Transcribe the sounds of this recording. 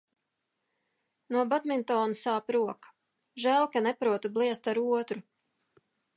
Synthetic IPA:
nuɔbat̪mint̪ɔːnasaːpɾuɔkḁ | ʒæːlˠkanɛpɾuɔt̪ublˠiɛst̪aɾuɔt̪ɾu

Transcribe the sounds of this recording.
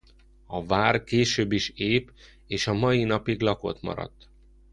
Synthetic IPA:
ɒvaːrkeːʃøːbːiʃeːp | eːʃɒmɒjinɒpiɡlɒko̰t̪mɒ̰ɾɒ̰t̪ː

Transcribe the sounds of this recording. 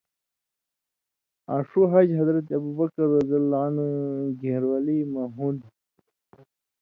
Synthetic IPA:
aʂuɦad͡ʑɦɐd̪ɾɐt̪̬ɐbubakɐɾːɐzalːanɡehɾwalimaɦud̪

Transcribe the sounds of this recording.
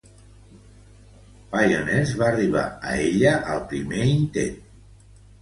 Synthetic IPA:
pajonɛzβaːriβ̞a̰ə̰eʎəʔəlˠpɾimeint̪ḛn

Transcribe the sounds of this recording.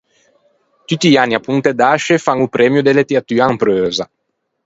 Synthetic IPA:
t̪yt̪ːianːiapunt̪ed̪aʃefaŋupɾɛmjud̪elet̪eat̪yːaːmpɾøːza

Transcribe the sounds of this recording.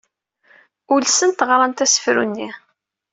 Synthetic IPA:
ʊlsənt̪əʁɾˤɑnt̪æsə̥fɾṵnːi

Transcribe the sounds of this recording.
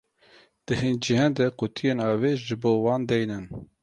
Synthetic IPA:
d̪̥ɨɦind͡ʒiɦɑːnd̪ɛkut̪ʰijeːnɑːveːʒɨboːwɑːnd̪ɛjnɨn

